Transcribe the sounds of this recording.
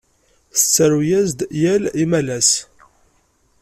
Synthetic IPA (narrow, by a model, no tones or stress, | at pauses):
θə̥t͡sːæɾujæzd̪jælimælæs